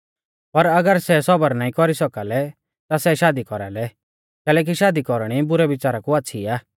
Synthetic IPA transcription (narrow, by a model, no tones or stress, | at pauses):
pɐɾɐɡəɾsɛsɔbəɾnaːĩkɔɾisɔkalɛ | t̪asɛʃaːd̪ikɔɾa̰lɛ | kɛːlɛːk̬iʃaːd̪ikɔɾɽ̃ibʊɾɛʋɪt͡ʃaːɾakuatːʃʰiaː